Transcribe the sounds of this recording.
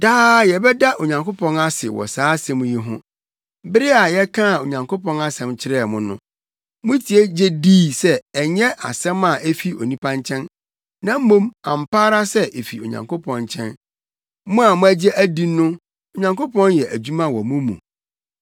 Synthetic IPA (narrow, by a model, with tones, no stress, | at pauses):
daː˦jɛ˨bɛ˦da˦o˨ɲã˨ŋkʰo˦pʰɔ̃˦na˦sɪ̰˨wɔ̰˨saː˨˦sɛ̃˨˦mũ˦ji˦ɦʊ̰̃˦ | bɪ˦ɾɪ˦a˨jɛ˦kʰã˦˨o˨ɲã˨ŋko˦pʰɔ̃˦na˦sɛ̃˨mt͡ɕʰɪ˦ɾɛː˦˨mʊ̃˦nʊ̰̃˦ | mʊ̃˦tʰi˨˦e˦d͡ʑɛ˦diː˦sɛ˦ɛ˨ɲɛ̃˦ʔa̰˨sɛ̃˦mã˨ʔɛ˦fi˦o̰˨nĩ˦pʰã˦nt͡ɕʰɛ̃˦n | nã˦m̩˦mõ˦mã˨m̩˨pʰaː˦ɾa˦sɛ˦ʔe˨fi˨o̰˨ɲã̰˨ŋkʰo˦pʰɔ̃˨nt͡ɕʰɛ̃˦n | mʊ̃˦a˨mʊ̃˦æ˦d͡ʑɛ˦ʔæ˦di˦nʊ̃˦ | o˨ɲã˨ŋko˦pʰɔ̃˦njɛ˨ʔæ˨d͡ʑu˦mã˦wɔ˨mũ˦mṵ̃˨